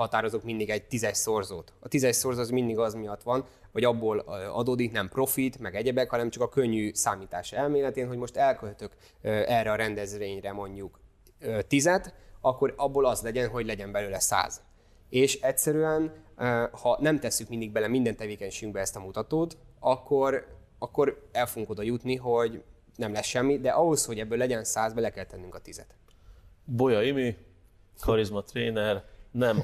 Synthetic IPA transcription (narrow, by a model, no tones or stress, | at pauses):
hɒt̪aːɾo̞zokmind̪iɡɛɟ̚t̪izɛcso̞rzoːt̪ɒt̪izɛcso̞rzozmind̪iɡɒzmijɒt̪ʋɒn | vɒɟɒbːoːløɒ̰d̪oːd̪iknɛmpro̞fit̪mɛɡɛɟɛbɛkhɒnɛmt͡ʃɒkɒkøɲːyːsaːmiːt̪a̰ːʃɛlmeːlɛt̪eːnɦo̞ɟmo̞ʃt̪ɛlkølt̪ø̞k | øɛrɛɒɾɛnd̪ɛzʋeːɲrɛmo̞ɲɟuk | øt̪izɛt̪ɒkːo̞ɾɒbːolɒzlɛɟɛnɦo̞ɟlɛɟɛmbɛløːlɛsa̰ːz̥ | eːʃɛcʲsɛɾyɛn | hɒnɛmt̪ɛsːykmind̪iɡ̚bɛlɛmind̪ɛnt̪ɛveːkɛɲʃeyŋɡ̚bɛɛst̪ɒmut̪ɒt̪oːt̪ɒkːo̞ɾ | ɒkːo̞ɾɛlfoɡuŋko̞d̪ɒjut̪niɦo̞ɟ | nɛmlɛsʃɛmːid̪ɛʔɒɦo̞sho̞ɟɛbːøːlːɛɟɛnsaːzbɛlɛkɛlt̪ɛnːyŋkɒt̪izɛ̰t̪ | bo̞jɒimi | kʰɒɾizmɒt̪ɾeːnɛrnɛm